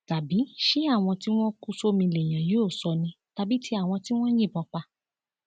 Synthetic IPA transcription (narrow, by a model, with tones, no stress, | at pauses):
ta˨bi˨˦ʃi˦a˦˨w̃ɔ̃˧ti˦w̃ɔ̃˦ku˦so˦mĩ˧le˨j̃ã˨jo˨˦o˦˨sɔ˧nĩ˧ | ta˧bi˨˦tʰi˧˦a˦˨w̃ɔ̃˧ti˦w̃ɔ̃˦jĩ˦˨bɔ̃˨˧k͡pa˧